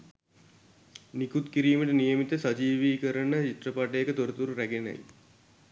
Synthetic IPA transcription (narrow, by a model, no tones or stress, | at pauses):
nikut̪kiɾiːməʈənijəmit̪əsad͡ʒiːʋiːkəɾənət͡ʃit̪rəpaʈəjekət̪oɾət̪uɾuɾæɡena̰j